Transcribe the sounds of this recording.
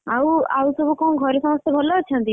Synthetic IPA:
awawsɔbukɔũɡʱɔɾesɔmɔst̪ebʱɔlɔt͡ʃʰɔnt̪i

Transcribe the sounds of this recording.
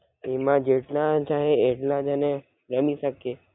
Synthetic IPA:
emãd͡ʒeʈnãt͡ʃaːɦeeʈnãd͡ʒanẽ | ɾəmisəkeː

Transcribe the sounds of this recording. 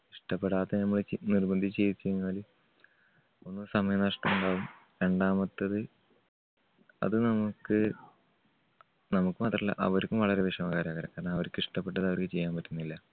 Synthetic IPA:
iʂʈɐpːeɽaːt̪ːenɐmːɐɭt͡ɕnirbɐnd̪ʱit͡ɕe̞jt̪ːt͡ɕːenɲːaːli | o̞nːɨsɐmɐjɐmnɐʂʈɐmuɳɖaːɣumɾeɳɖaːmɐt̪ːɐðɨ | ɐ̰ðɨnɐmukːɨ | nɐmukːɨmaːt̪ːrɐlːɐ̰ʔɐ̰ʋɐɾkʲːumʋɐɭɐɾeʋiʂɐmɐkaːɾaːɣɐɾɐ̰kaːɾɐɳɐɐʋɐɾkʲːɨiʂʈɐpːe̞ʈ̬ːɐðɐʋɐrkɨt͡ɕe̞jːaːmpɐtːunːilːɐ

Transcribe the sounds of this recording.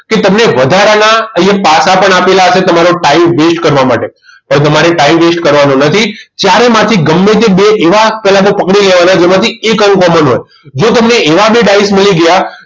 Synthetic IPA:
ket̪əmneʋəd̪ʱaɾanaəepasapəɳapelaəʃet̪əmaɾoʈaimʋesʈkəɾʋamaʈepə̃ɽ̃t̪̬əmaɾeʈaimʋesʈkəɾʋanõnət̪ʰit̪jaɾemãt̪ʰiɡəmːet̪ebeʔeʋapɛɦlat̪opəkɽileʋanad͡ʒemãt̪ʰiekəŋkɔmənɦo̰j | d͡ʒot̪əmneeʋabeɖaismiliɡəja

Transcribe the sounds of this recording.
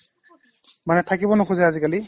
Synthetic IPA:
manɛtʰakibɔnʊkʰuzajazikali

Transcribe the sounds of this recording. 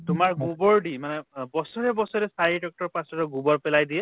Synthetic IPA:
tʊmaɹɡũbɔɹɖimanɛbɔsɔɹɛbɔsɔɹɛsaɹidɔk̚ʈɔɹpãsɔtɔɡũbɔɹpɛlajdiɛ

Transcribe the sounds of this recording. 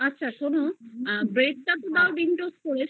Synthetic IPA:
ɐtːɕʰaʃonobɾek̚ʈat̪od̪awʈinʈoskoɾet͡ɕʰ

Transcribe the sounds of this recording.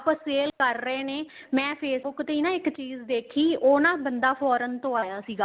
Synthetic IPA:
əpãːseːlkəɾːəeːneːmɛ̃ːpʰeːsbʊkt̪eiːnãːɪkt͡ʃiːzd̪eːkʰiːoːnãːbənd̪aːpʰɔːɾənt̪õːaːjaːsiːɡaː

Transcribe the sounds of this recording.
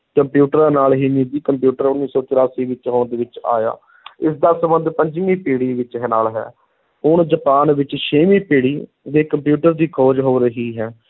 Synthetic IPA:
kəmpjuːʈəɾaːnaːlɦiːniːd̪iːkəmpjuːʈəɾʊnːiːsɔːt͡ʃɪɾaːsiːʋɪt͡ʃɦʊːɳd̪eːʋɪt͡ʃa̰ːja̰ː | ɪsd̪aːsəbə̃nd̪pəɲd͡ʒɪmiːpeːɽiːʋɪt͡ʃɦnaːlɦɛ̰ː | ʊɳd͡ʒəpaːnʋɪt͡ʃʃeːmiːpeːɽiː | d̪eːkəmpjuːʈəɾd̪iːkʰoːd͡ʒɦoːɾəɦiːɦɛː

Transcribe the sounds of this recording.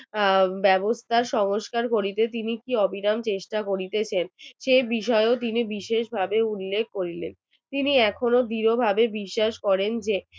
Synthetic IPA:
bɛbost̪ʰaɾʃɔŋoʃkaɾkoɾit̪et̪inikiɔbʱinamt͡ɕeʃʈakoɾit̪et͡ɕʰenʃejbiʃɔeot̪̬inibiʃeʃbʱabeulːekʰkoɾilḛn | t̪iniɛkʰonod̪iɾobʱabebiʃːaʃkɔɾend͡ʑe

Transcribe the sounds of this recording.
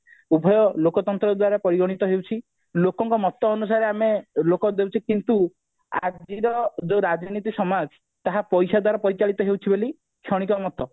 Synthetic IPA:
ubʱɔjɔlokɔt̪ɔnt̪ɾɔd̪waɾapɔɾiɡɔɽ̃it̪ɔɦewt͡ʃʰi | lokɔŋkɔmɔt̪ɔːnus̬aɾeamelokɔd̪ewt͡ʃʰikint̪u | a̰d͡ʒiɾɔd͡ʒoɾad͡ʒnit̪̬isɔmad͡ʒ | t̪aɦapɔjsad̪waɾapɔɾit͡ʃaɭit̪ɔɦewt͡ʃʰiboli | kʰjɔɽ̃ikɔmɔt̪ɔ

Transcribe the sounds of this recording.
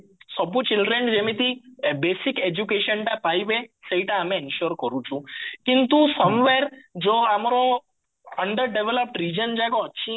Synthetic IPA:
sɔbut͡ʃɪlɖɾend͡ʒemit̪ibesiked͡ʒukeʃənʈapaibeseiʈaːmẽɪnʃɔɾkəɾũt͡ʃʰũkint̪usəmʋeɾd͡ʒoamɾo | əɳɖəɾɖeʋeləp̚ʈɾid͡ʒənd͡ʒajɡoət͡ʃʰĩ

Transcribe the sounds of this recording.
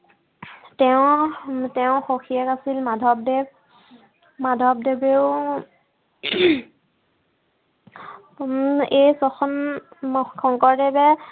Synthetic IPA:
tɛʊ̃tɛʊ̃xoxʰiɛkasilmadʱɔb̚deb̚ | madʱɔb̚debew | ejsɔxɔn | kʰɔŋkɔɹdɛbɛ

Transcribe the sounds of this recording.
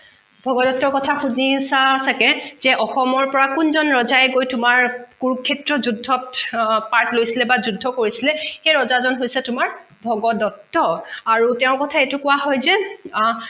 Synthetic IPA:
bʱɔɡɔdɔtːɔɹkɔtʰaxudisasʰakɛzɛʔɔxɔmɔɹpɔɹakʊnzɔnɹɔzajɛɡojtʊmaɹkuɹukʰːɛtɹɔzudʱːɔtpaɹtlojsilɛbazudʱːɔkoɹisilɛxejɹɔzazɔnɦojsɛtʊmaɹ | bʱɔɡɔdɔtːɔaɹutɛʊ̃kɔtʰaetʊkʊwaɦɔjzɛ

